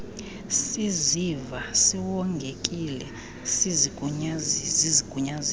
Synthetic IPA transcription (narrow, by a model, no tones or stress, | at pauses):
sizivasiwɔŋɡʱekʼilɛ | siziɡuɲaziziɡ̥ʱuɲazi